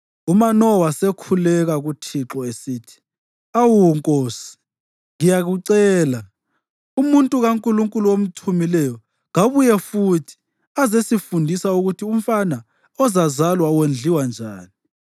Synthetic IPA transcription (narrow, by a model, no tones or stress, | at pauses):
umanɔwasekʰulɛɣaɣutʰiǁɔesiːtʰi̥ | awuŋkʼoːsi̥ | ŋijaɣuǀɛːla | umuntʼuɣaŋkʼuluŋkʼuluwom̩tʰumilɛjɔ | ɣaβujɛfutʰi̥ | azesifundʱisauɣutʰium̩fana | ɔzazalwawend͡ɮʱiwand͡ʒʱaːni